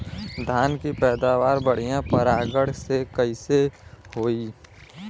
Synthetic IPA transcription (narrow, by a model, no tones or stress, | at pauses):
d̪ʱaːnkipɛːd̪aːʋaːɾbəɽ̤ijãpəɾaːɡəɽ̤sekəisehoːiː